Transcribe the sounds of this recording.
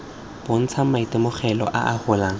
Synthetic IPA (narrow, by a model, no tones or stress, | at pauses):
b̥ʊn̩t͡sʰamaitɪmʊχɛlɔ̰ʔa̰ʔahʊlaːŋ